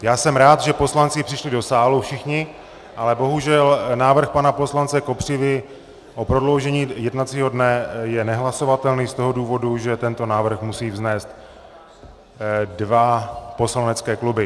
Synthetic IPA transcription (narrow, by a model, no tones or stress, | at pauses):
jaːsɛmɾaːt̪ʒɛpo̞slant͡sɪpr̥ɪʃlɪdo̞saːlufʃɪxɲɪ | ʔalɛbo̞ɦuʒɛlnaːvr̩xpanapo̞slant͡sɛko̞pr̝̥ɪvɪ | ʔopɾo̞dlo̞wʒɛɲiːjɛdnat͡siːɦo̞dnɛjɛnɛɦlaso̞vat̪ɛlniːst̪o̞ɦoduːvo̞duʒɛt̪ɛnt̪o̞naːvr̩xmusiːvznɛːst̪ | dvapo̞slanɛt͡skɛːklubɪ